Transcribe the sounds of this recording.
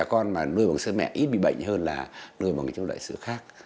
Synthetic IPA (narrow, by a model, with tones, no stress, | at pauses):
aː˨˩kɔ˧nmaː˨˩nɨ˧əjɓa˨˩ŋsɨ˧˦mɛ̰˧˨ʔi˦˥t̚ɓḭ˧˨ɓə̰˧˨jŋ̟ɦəː˧nlaː˨˩nɨ˧əjɓa˨˩ŋt͡ɕŋ͡mɗa̰ː˧˨jsɨ̰˧˥əxaː˦˥k̚